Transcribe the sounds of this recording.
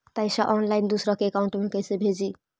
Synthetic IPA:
t̪ajsaʔɔnlaind̪usɾɔkeːkauɳʈmekəjsebʱed͡ʒi

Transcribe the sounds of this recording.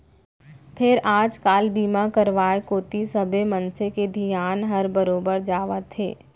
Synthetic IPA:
pʰɪɾʔaːd͡ʒkaːlbiːmakəɾʋaːekoːt̪isəbemɐ̃nseked̪ʱijaːnɦɐɾbəɾoːbəɾd͡ʒaːʋat̪ʰḛː

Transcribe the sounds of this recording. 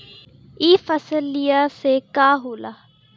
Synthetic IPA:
iːfɐsəlijasekaːɦoːlaː

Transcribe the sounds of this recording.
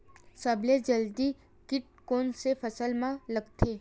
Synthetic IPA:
səbled͡ʒəld̪i | kɪʈ̚ | koːnsefʰəsəlmãləɡt̪ʰeː

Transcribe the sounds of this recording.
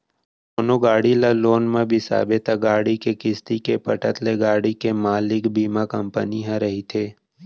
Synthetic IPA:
oːnoɡaːɽilaloːnmẽbʱisa̰ːbɪt̪aɡaːɽikekɪst̪ikepəʈət̪leɡaːɽikemaːlɪkbiːmakə̃mpəniɦãɾɐɦit̪ʰeː

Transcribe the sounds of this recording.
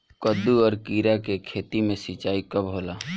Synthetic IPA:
kəd̪uɔːɾkiːɾakekʰeːt̪imẽsit͡ʃaːikəbɦoːlaː

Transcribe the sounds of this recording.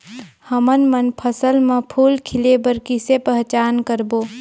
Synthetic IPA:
həmənmənpʰəsəlmẽpʰuːlkʰɪlebəɾkɪsepəɦt͡ʃaːnkəɾboː

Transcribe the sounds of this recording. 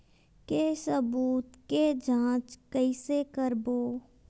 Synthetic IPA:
kesəbuːt̪ked͡ʒʱãːt͡ʃkəisekəɾboː

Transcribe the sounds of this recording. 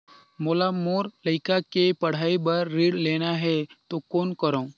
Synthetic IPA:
moːlamoːɾləɪkakepɐɽ̤aːibəɾːiːɽleːnaɦɛt̪okoːnkəɾõ

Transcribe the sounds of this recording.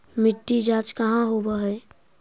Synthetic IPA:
mɪʈːid͡ʒat͡ʃkəɦãɦobəɦɛ

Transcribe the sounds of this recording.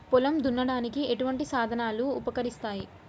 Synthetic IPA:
pulɐmd̪unːɐɽaːnikieʈuʋɐɳʈisaːd̪ʱɐnaːluːpɐkɐɾist̪aːji

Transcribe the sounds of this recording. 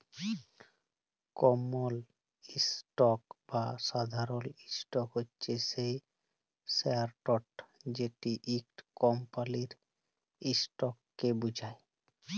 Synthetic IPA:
kɔmol | isʈɔkbasad̪ʱaɾolisʈɔkɦotːɕʰesej | seaɾʈɔʈd͡ʑeʈiʔikʈkɔmpaliɾ | isʈɔkːebud͡ʑʱae

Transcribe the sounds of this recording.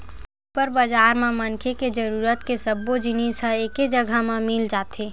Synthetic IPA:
pəɾbəd͡ʒaːɾmẽmənkʰeked͡ʒəɾuːɾət̪kesəbːod͡ʒinisəeked͡ʒəɡʱamẽmɪld͡ʒaːt̪eː

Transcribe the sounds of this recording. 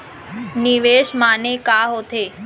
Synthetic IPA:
niʋeːʃmanekaːɦot̪ʰeː

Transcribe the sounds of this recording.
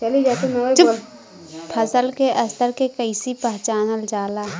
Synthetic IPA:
t͡ʃɐlid͡ʒaːt̪enɐwed͡ʒol | pʰɐsəlkeʔɐst̪əɾkekəɪsipɛɦt͡ʃaːnəld͡ʒaːlaː

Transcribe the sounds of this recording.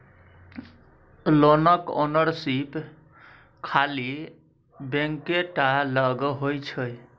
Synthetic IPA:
lonəko̰nəɾsip | kʰali | beŋkeʈaləɡɦojt͡ʃʰəj

